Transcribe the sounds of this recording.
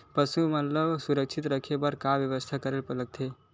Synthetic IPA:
pəsumət̪ləbsuɾəkʃʰit̪ɾəkʰebəɾkaʋjəʋəst̪ʰakəɾelpələk̚t̪ʰe

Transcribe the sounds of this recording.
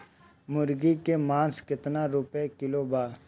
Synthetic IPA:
mʊɾɡikemãːnskɪt̪naɾʊpekɪlobaː

